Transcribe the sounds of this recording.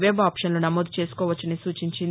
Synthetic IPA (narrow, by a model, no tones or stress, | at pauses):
ʋeːbaːpʂɐnlunɐmoːd̪u̥t͡ʃeːsu̥kɔːʋɐt͡ʃːɐnisuːt͡ʃiɲt͡ʃin